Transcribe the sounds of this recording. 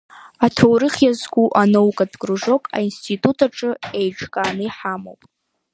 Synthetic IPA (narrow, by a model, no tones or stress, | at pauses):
atʰowɾɨχʲjazɡʷuʔanowkʼadɡʼruʐo̞kʼa̰instʰitʼutʰaʈ͡ʂʼɨejʈ͡ʂʰʼkʼaːnɨiħamo̰wpʼ